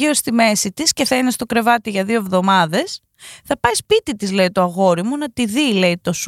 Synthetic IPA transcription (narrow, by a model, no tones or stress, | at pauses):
io̞st̪ime̞sit̪isceθɐine̞st̪o̞kɾe̞vɐt̪iʝɐðio̞evðo̞mɐðe̞s | θɐpɐjspit̪it̪izle̞it̪o̞ɐɣo̞ɾimunɐt̪iðile̞it̪o̞s